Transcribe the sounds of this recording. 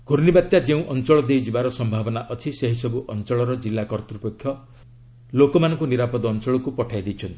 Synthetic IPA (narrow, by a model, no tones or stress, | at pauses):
ɡʱoɾnibat̪jad͡ʒeũʔɔnt͡ʃɔɭɔd̪ejd͡ʒibaɾɔsɔmbʱabɔnaʔɔt͡ʃʰiseɦisɔbuʔɔnt͡ʃɔɭɔɾɔd͡ʒilːakɔɾt̪ɾupekʰːjɔ | lokɔmanɔŋkuniɾapɔd̪ːnt͡ʃɔɭɔkupɔʈʰajd̪it͡ʃʰʌnt̪i̥